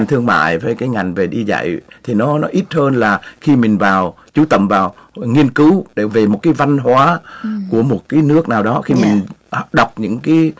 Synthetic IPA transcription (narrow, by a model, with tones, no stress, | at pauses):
ŋt̪ʰɨ˧əŋma̰ː˧˨jvəː˧˦jkaː˨˦jŋa˨˩jŋ̟ve˨˩ɗi˧za̰˧˨jt̪ʰi˨˩nɔ˨˦nɔ˨˦ʔi˦˥t̚həː˧nlaː˨˩xi˧mï˨˩ŋ̟vaː˨˩w | t͡ɕu˨˦t̪ə̰˧˨mvaː˨˩wŋi˧ənkɨ˨˦wɗe˧˩ve˨˩mo˨˩t̚kaː˨˦jva˧nɦwaː˨˦ku˧˩əmo˨˩t̚kaː˨˦jnɨ˦˥ək̚naː˨˩wɗɔ˨˦xi˧mï˨˩ŋ̟˨˩ɗa˨˩wk͡p̚ɲɨ̰˧˥ŋkaː˨˦j